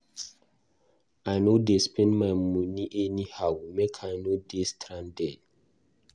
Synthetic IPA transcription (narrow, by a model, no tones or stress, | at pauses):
ajnodespʰɛ̃nmaɪmuniʔɛnihawimekʰajnodestʰɾãndɛ